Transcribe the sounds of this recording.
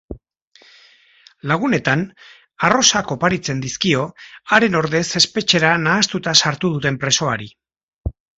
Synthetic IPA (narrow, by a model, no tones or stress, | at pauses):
laɣ̞une̞t̪an | aro̞sako̞paɾit͡se̞nd̪iskio̞aɾe̞no̞ɾðe̞se̞spe̞t͡ʃe̞ɾanaːst̪ut̪asaɾt̪uð̞ut̪e̞mpɾe̞so̞aɾi